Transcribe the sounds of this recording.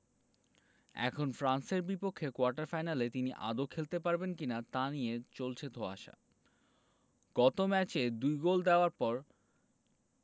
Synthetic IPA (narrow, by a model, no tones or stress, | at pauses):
ɛ̰kʰonfɾanseɾbipokʰːekoaɾʈaɾfajnalet̪iniʔa̰d̪okʰːelt̪epaɾbenkinat̪anijet͡ɕolt͡ɕʰed̪ʱoa̰ʃa̰ | ɡ̥ɔt̪omɛt͡ɕed̪ujɡold̪eoaɾpɔɾ